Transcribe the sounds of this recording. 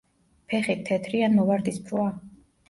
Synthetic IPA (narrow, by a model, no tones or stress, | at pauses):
pʰɛχit̪̚ʰːɛt̪ʰɾianmɔvaɾd̪ispʰɾwa